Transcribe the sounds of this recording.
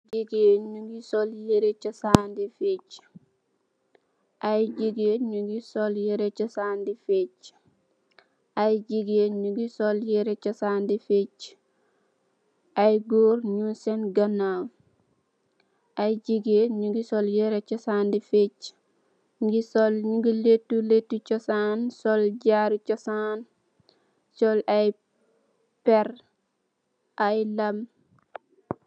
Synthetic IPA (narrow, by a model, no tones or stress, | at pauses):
d͡ʒiɡeɲuŋɡisɔljeɾet͡ʃɐsaːndifec | ʔajd͡ʒiɡeːɲuɡisɔljeɾet͡ʃɐsaːndifec | ajɟiɡeːɲuɡisɔljeɾet͡ʃɐsaːndifec | ʔajɡoːɾɲunsɛnɡɐnaw | ʔajd͡ʒiɡeɲuɡisɔljeɾet͡ʃɔsaːndifet͡ʃ | ɡisɔlɲuɡiletːuletːut͡ʃɔsansɔlɟaɾt͡ʃɔsan | sɔlaj | pɛɾ | ʔajlam